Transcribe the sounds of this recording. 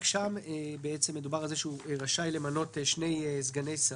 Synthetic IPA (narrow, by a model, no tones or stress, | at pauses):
kʃambeet͡se̞mːe̞d̪ubaʁalzeʃeueʁaʃajle̞mano̞teʃne̞jzɡane̞jsa